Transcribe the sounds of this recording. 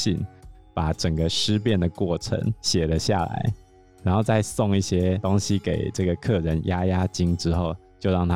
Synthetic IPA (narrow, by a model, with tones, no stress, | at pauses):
i˥˩n | pa˨˩ʈ͡ʂə˨˩ŋɡə˦ʂɻ̩˥p̬jɛ˥˩nd̪ə˩kwɔ˥˩ʈ͡ʂʰə̰˧˥˦ŋɕjɛ˨˩lə˦ɕja̰˥˩la̰˧˥ɪ | ɻa˨˧˥nxo˥˧ʊt͡sa˥˧ɪsʊ˥˧ŋi˥˩ɕjɛ˥t̪ʊ˥ŋɕi˦ke˨˩ɪʈ͡ʂɤ˥˩ɡə˩kʰɤ˥˩ɻə˧˥nja˥ja˥t͡ɕi˥ŋʈ͡ʂɻ̩˥xo˥˩ʊt͡ɕjo˥˧ʊɻɑ˥˨ŋt̪ʰ